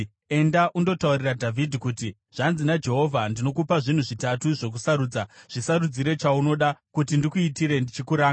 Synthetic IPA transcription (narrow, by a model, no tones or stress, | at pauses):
e̞ndaʔundo̞tauriradʱavʱidʱikuti | ʐ̥anzinad͡ʒe̞ɦo̞vʱandino̞kupaʐin̤uʐitatuʐo̞k̬usaɾuːd͡zaʐ̥isaɾud͡ziɾe̞t͡ʃauno̞ɗakutindikuitiɾe̞ndit͡ʃikuɾaːŋa